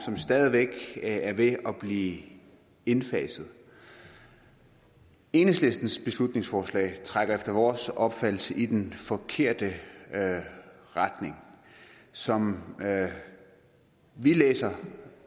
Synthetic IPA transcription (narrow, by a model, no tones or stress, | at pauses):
sɒ̽msd̥ɛːð̞ˠiʋeɡ̥æɐʋe̝ɒ̽b̥liː | e̝nfɛ̰ːsð̞̩ˠ | e̝ːnsle̝sd̥n̩sb̥e̝slud̥ne̝ŋsfɒːslɛ̰ːɪt͡sʰʁaɡ̥ɐefd̥ɐʋɒːsɒ̽b̥fæd̥l̩səʔid̥enfɒ̽kʰe̝ɐ̰d̥ə | ʁad̥ne̝ŋ | sɒ̽m | ʋilḛːsɐ